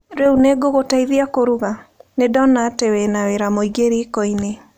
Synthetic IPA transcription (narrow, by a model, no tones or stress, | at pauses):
ɾeuneɡoɣotaiðiakoɾuβanedɔnatewenaweɾamoiɡeɾikɔine